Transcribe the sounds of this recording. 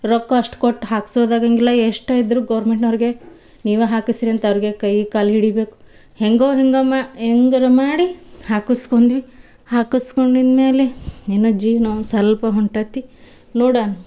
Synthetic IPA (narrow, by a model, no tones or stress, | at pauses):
ɾɔkːɐʂʈkoʈːɦaːksoːd̪aːɡɐŋɡilːɐeʂʈaːjid̪ɾuɡɐːɾmeɳʈnɐʋɾiɡe | niːʋuɦaːkisiɾiɐnt̪ɐʋɾiɡekɐjkaːlɦiɽibe̞ːku̥ | heŋɡoːɦeŋɡɐmaɦeŋɡɐɾɐmaːɽihaːkuskond̪ʋi | haːkuskoɳɖind̪meːleenːod͡ʒiːnosɐlpɐɦuɳʈaːt̪i | noːɽaːnɐ